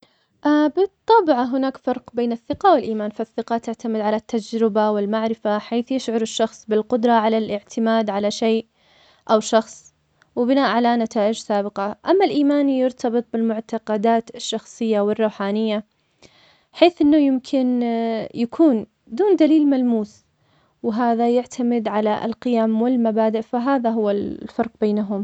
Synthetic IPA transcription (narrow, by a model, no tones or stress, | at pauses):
ʔabɨt̪ˤːɑːbɪʕɦʊnaːkfɑɾˤqbeːnɪθːɪqɑwɪlʔiːmaːnfaθːɪqɑt̪aʕt̪amɪd̪ʕalat̪ːad͡ʒɾɪbawɪlmaʕɾɪfaħaːθjɪʃʕʊɾɪʃːɑxsˤbɪlqʊd̪ɾˤɑʕalalʔɪʕt̪ʰɪmaːd̪ʕalaʃeːʔ | ʔawʃɑxsˤ | wɪbɪnaːʔʕalanat̪aːʔɪd͡ʒsaːbɪqɑʔamːalʔiːmaːnijɪɾt̪ʰɑbɨt̪̚ˤbɪlmʊʕt̪ɑqɑd̪aːt̪ɪʃːɑxsˤɨjːawɪrˤːuːħaːnɪjːa | ħeːθʔɪnːʊjɪmkʰɪnjakʰuːn | d̪uːnd̪aliːlmalmuːs | wɪɦaːðajaʕt̪ʰamɪd̪ʕala̰lqɪjaːmwɪlmabaːd̪ɪʔfaɦaːðaɦʊwːafɑɾˤq̚beːnaɦʊm